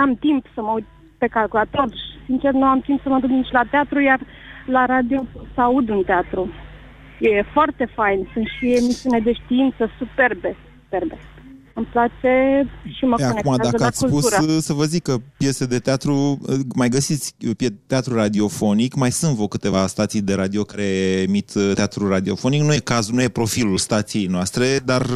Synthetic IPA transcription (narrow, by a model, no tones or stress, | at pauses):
amt̪impsəmaud̪ | pe̞kalkulat̪o̞rsint͡ʃe̞rnuamt̪impsəmad̪uknit͡ʃʲlat̪eat̪ɾujar | laɾad̪iosəaud̪ɨnt̪eat̪ɾu | jefoart̪e̞fajnsunt̪ʃie̞misiuned̪e̞ʃt̪iint̪səsupe̞rbe̞su̥perbe̞ | mɨmplat͡ʃe̞ʃiməkakonekumaad̪akəaat̪ʲskulputsuəsəvəzikːəpje̞sed̪e̞t̪eat̪ɾumajɡəsit̪sʲpjet̪ːeat̪ɾurad̪io̞fo̞nikmajsɨnt̪vəkɨt̪e̞vast̪at̪sijd̪e̞ɾad̪io̞kaɾe̞mit̪t̪eat̪ɾuɾad̪io̞foniknujekazunuje̞pɾo̞filulst̪at̪sije̞jnoast̪ɾe̞d̪ar